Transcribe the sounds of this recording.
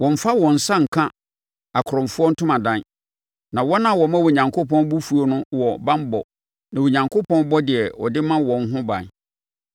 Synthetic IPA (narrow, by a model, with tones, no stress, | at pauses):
wɔ̃˨m̩˨fa˦wɔ̃˨n̩˨sa˦ŋ̩˨kʰã˦ | a˨kʰɾɔ̃˨m˨fʊ˦ɔ˦n̩˦tʰʊ̃˦mã˨dã˦n | nã˨wɔ˦nã˨wɔ˨mã˦wo˨ɲã˨ŋkʰo˦pʰɔ̃˦n˦bu˦fu˦o˦nʊ̃˦wɔ˨bã˦m˦bɔ̰˨ | nã˨wo˨ɲã˨ŋkʰo˦pʰɔ̃˦nbɔ˦dɪ˨ɛ˨wɔ̰˨dɪ˦mã˦wɔ̃˨n˦ɦʊ̃˦bã̰˨n